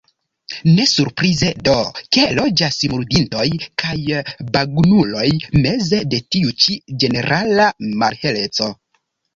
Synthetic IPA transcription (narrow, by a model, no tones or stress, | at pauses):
ne̞suɾpɾize̞do̞ke̞lo̞d͡ʒasimuɾdinto̞jkʰajbaɡnulo̞jme̞ze̞de̞tiut͡ʃid͡ʒe̞ne̞ɾʔalamaɾhe̞le̞t͡so̞